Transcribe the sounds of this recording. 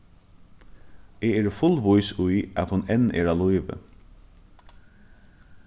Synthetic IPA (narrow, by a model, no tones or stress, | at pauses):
eeːɾfʊlʋʊjsʊjæt̪hʊnɛnːɛ̰ːɾalujʋə̰